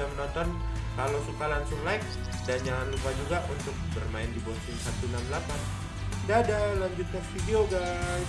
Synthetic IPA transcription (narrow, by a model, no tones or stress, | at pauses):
amənɔnt̪ɔn | kalawsukalansʊŋlaɪk̚ | dand͡ʒaŋanlupad͡ʒuɡaʔunt̪ʊk̚bərmaɪndibɔŋsʊŋsat̪unamlapan | daːdalaɲd͡ʒut̪̚kanfideoɡa